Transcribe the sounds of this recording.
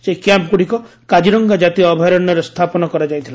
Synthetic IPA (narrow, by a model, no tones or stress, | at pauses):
sekjamp̚ɡuɽikɔkad͡ʒiɾɔŋɡad͡ʒat̪iɔbʱajɾɔnːjɔɾest̪ʰapɔnɔkɔɾad͡ʒaj̃t̪ʰila